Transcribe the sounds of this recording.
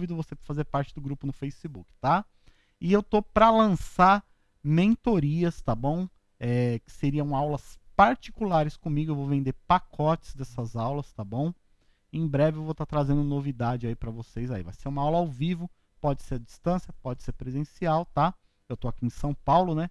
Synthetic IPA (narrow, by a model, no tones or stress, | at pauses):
vid̪ʊvosepɾɐfazeɾpaɾt͡ʃɪd̪ʊɡɾupʊnʊfejsibukɪ̥t̪a | ɪewt̪opɾɐlɐ̃saɾ | mẽnt̪oɾiɐst̪abõw̃ | ɛkɪ̥seɾiɐ̃w̃awlɐspaɾt͡ʃi̥kulaɾɪskõmiɡʊewvowvẽnd̪eɾpakʰɔt͡ʃɪ̥zd̪ɛsɐzawlɐst̪abõw̃ | ẽj̃bɾɛvɪewvowt̪at̪ɾazẽnd̪ʊnovid̪ad͡ʒɪaipɾɐvosejzaḭva̰jseɾũmɐawlɐawvivʊ | pɔd͡ʒɪseɾɐd͡ʒist̪ɐ̃sjɐpɔd͡ʒɪseɾpɾezẽsiawt̪a | ewt̪oakiẽsɐ̃w̃pawlʊnɛ